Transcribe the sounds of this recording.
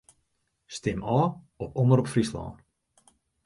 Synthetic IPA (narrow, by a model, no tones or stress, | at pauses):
stɪmɔː | ɔpɔnəɾɔpfrislɔ̰ːn